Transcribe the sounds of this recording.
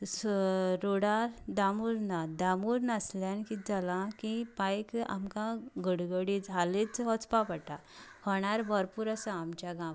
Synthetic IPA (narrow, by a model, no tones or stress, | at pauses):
sɾoɽaɾd̪amuɾnad̪amuɾnasljãnkid͡zalãkĩpajka̰mkãɡəɽɡəɽit͡sɦalet͡sɦɔt͡spapəʈa | hɔɽ̃aɾbʱəɾpuɾəsãamt͡ɕjaɡã